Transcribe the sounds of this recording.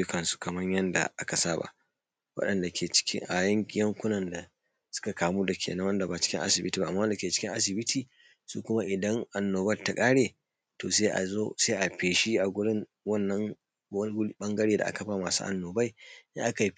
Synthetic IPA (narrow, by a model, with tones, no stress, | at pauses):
jʊ˦kɐ˨nsu̥˦kɐ˨mɐ˦ɲjɐ˦nda̰˨ʔa˦ka˨saː˦ba̰˦ʔ | wɐ̰˦ɗɐ˨nda˨kʲʰeː˨t͡ʃɪ̥˦kʲɪ̰˦ŋʔa˨jɐ˦ŋkʲjɐ˦ŋkʷʊ˦nɐ˨nda˨ | sʊ̥˦ka˨kʰaː˨muː˦da˨kʲʰḛː˨nɐ˦wɐ˦nda˨baː˨t͡ʃɪ̥˦kʲɪ˦ʔa̰˦sɪ˨bɪ˦tiː˨ba˦ʔmːaː˦n˨da˨kʲeː˨t͡ʃɪ̥˦kʲɪ˦ʔa̰˦s̬ɪ˨bɪ˦tʰiː˨ | su˦kʷʊ˦ma˦ʔɪ˨dɐ˦ŋʔa˨nːoː˨bɐ˦lta˨kʼaː˦ɽeː˨ | toː˨se˦ʔa̰˨zoː˦se˦ʔa˨ɸeː˨ʃi˦ʔa˨ɡʷʊ˦ɽɪ˦ŋ | wɐ˦nːɐ˦ŋ˦ | ɓɐ˦ŋɡɐ˦ɽeː˨da̰˨ʔa̰˦kɐ˨˦ɸa˨maː˨sṵː˦ʔa̰˨nːoː˨ba˦jʔa̰˦ʔa˦ka˨˦